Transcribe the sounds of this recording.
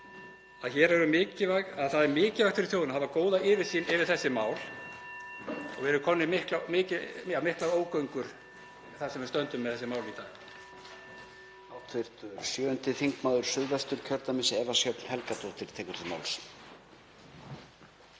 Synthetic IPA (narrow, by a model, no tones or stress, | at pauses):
aðçɛːɾɛɾʏmɪːcɪvaɣaðθaðɛɾmɪːcɪvaht̪ʏɾɪθjowðʏnaɦavakoːwðaɪːvɪsiːnɪvɪɾ̥θɛsːɪmaːwl | ɔ̰ɣvɛɾʏkʰɔnːɪmɪhklamɪːcɪjamɪhklaɾoːwkœɥŋkʏɾ̥ | θḁsɛmvɪɾst̪œnt̪ʏmːɛðθɛsːɪmaːwlit̪aːɣ | aːwt̪ʰvɪr̥t̪sjœːʏnt̪ɪθiŋkmaːwðʏɾ̥sʏðvɛst̪ʏɾ̥cʰœɾt̪amɪsɛvasjœpn̥hɛlkat̪ʰowht̪ɪɾ̥t̪ʰɛːkʏɾ̥θɪma̰ːwls